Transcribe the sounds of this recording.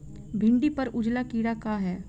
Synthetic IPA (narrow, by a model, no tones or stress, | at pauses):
bʱɪ̃ɳɖipɐɾʊd͡ʒlakiːɽakaːɦɛː